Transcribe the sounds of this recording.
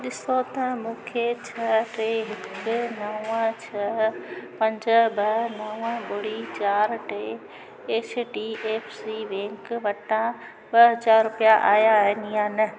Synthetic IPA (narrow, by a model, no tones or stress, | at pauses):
ɗɪsot̪ɐmũːkʰet͡ɕʰɐʈeɦɪkʊnɐʊə̃t͡ɕʰɐpɐ̃ɲd͡ʑəbɐnɐʊəɓʊɽit͡ɕaːɾʈe | eːt͡ʃʰʈiːeːfsiʋẽːŋkʋɐʈã | ɓɐɦɐzaːɾɾʊpijaʔaːjaɦɪnijãːnɪ